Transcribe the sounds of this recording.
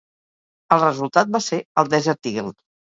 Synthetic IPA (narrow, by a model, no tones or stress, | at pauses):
əlˠrəzulˠt̪at̪̚baseəlˠd̪ɛzɛɾt̪iɣelˠ